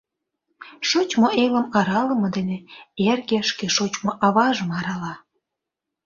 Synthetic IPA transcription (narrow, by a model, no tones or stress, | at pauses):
ʃot͡ɕmoʔeləmɑɾɑlə̆mɤ̆d̪eneerɣeʃkeʃot͡ɕmoʔɑβɑʒəmɑɾɑlɑ